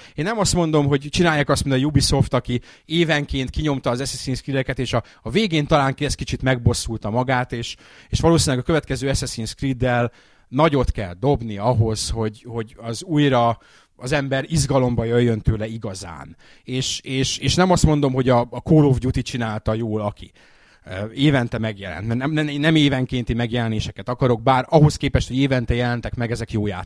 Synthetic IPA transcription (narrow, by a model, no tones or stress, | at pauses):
eːnɛmɒst̪mo̞n̪d̪o̞mɦo̞ɟt͡ʃinaːjaːkɒst̪minɒjubiso̞ft̪ɒki | eːvɛŋkeːnt̪kiɲo̞mt̪ɒːzɛsɛsiːnskrid̪ɛkɛt̪eːʃɒːveːɡeːnt̪ɒlaːŋkɛs̚kit͡ʃit̪mɛɡ̚bo̞sːult̪ɒmɒɡaːt̪eːʃ | eːʃʋɒloːsinlɛɡɒkøvɛt̪kɛzøːɛsɛsiːnskrid̪ːɛl | nɒɟo̞t̪kɛ̰ld̪o̞bniɒɦo̞sho̞ɟho̞ɟɒzuːjɾɒ | ɒzɛmbɛɾiʒɡɒlo̞mbɒjøjːønt̪øːlɛiɡɒza̰ːn | eːʃeːʃeːʃnɛmɒst̪mo̞nd̪o̞mɦo̞ɟɒːkoːlovɟut̪it͡ʃinaːlt̪ɒjoːlɒki | eːvɛnt̪ɛmɛɡjɛlɛ̰nt̪mɛnɛmɛnɛmeːvɛŋkeːnt̪imɛɡjɛlɛneːʃɛkɛt̪ɒkɒɾo̞ɡ̚baːɾɒɦo̞skeːpɛʃt̪ho̞ɟeːvɛnt̪ɛjɛlɛnt̪ɛkmɛɡɛzɛkjoːja̰ː